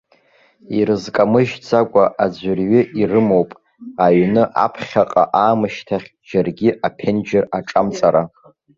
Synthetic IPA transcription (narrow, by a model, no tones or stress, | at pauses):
iɾɨzkʼamɨʒd͡zakʷʼaʔad͡ʑʷʏrɥɪʔirɨmowpʼ | aɥnɨʔa̰pʰχʲaqʼa̰ʔaːmɨʃtʰaχʲ | d͡ʒarɡʲɪʔapʰend͡ʒɪraʈ͡ʂʼamt͡sʼaɾa